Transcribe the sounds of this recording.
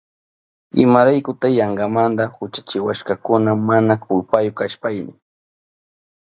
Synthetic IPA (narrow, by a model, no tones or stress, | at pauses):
ɪ̰maɾajkʊt̪ajaɴɡɑmand̪ahʊt͡ʃḁt͡ʃɪwaʃkakʊnamanakʊlpajʊkaʃpajnɪ